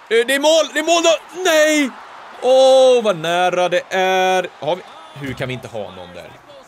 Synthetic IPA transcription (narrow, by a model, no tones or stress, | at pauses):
d̪ɛɛmoːld̪ɛɾmoːld̪ɔnɛj | ɔvanæːɾad̪ɛʔæɾhaɾvɪ | ɦʉɾkʰanvɪɪnt̪əɦɑ̰ːnɔ̰nd̪æ̰ɾ